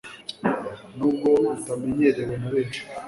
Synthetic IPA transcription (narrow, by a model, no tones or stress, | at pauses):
nub̚ɡotameɲeɾewenuɾeːʃe̥